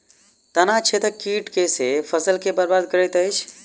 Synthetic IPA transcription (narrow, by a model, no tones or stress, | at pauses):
t̪ənat͡ʃʰet̪əkiʈkesepʰəsəlkebəɾbad̪̚kəɾəjt̪əjt͡ʃʰ